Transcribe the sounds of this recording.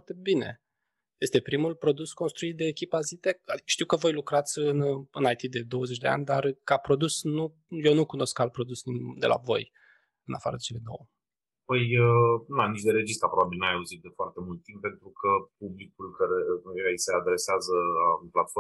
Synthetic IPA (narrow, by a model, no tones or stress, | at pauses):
rt̪e̞bine̞̰ | je̞st̪e̞pɾimulpɾo̞d̪usko̞nst̪ɾuit̪̚d̪e̞ːkʲipazit̪eai̥ʃt̪iwkəvo̞jlukɾat̪sʲɨnɨnait̪id̪e̞d̪o̞wəzet͡ʃʲd̪e̞a̰nʲd̪arkapɾo̞d̪usnu | jewnukuno̞skal̚pɾo̞d̪usid̪e̞la̰vo̞̰j | ɨna̰fa̰ɾəd̪et͡ʃe̞led̪o̞̰wə | pəjənanit͡ʃd̪eɾe̞d͡ʒist̪ɾəapɾobabilnajauzit̪̚d̪e̞foart̪e̞mult̪̚ːimp̚pe̞nt̪ɾukʰəp̚ublikulkaɾejaisead̪ɾe̞seazəaunplat̪fo